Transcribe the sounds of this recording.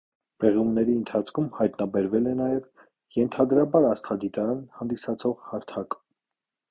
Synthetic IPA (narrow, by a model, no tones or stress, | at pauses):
b̥ɛʁumnɛɾiənt̪ʰɑt͡sʰkʰumhɑjt̪nɑbɛɾvɛlɛnɑjɛv | jɛnt̪ʰɑd̪ɾɑbɑɾɑst̪ʰɑd̪it̪ɑɾɑnhɑnd̪isɑt͡sʰɔʁhɑɾt̪ʰɑk